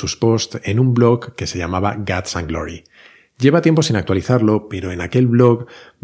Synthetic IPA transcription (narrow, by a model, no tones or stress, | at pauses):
uspo̞st̪e̞numblo̞kːe̞seʎamaβaɡat̪saŋɡlo̰ɾḭ | ɟ͡ʝe̞βat̪jempo̞sinak̚t̪waliθaɾlo̞pe̞ɾo̞e̞nake̞lβlo̞k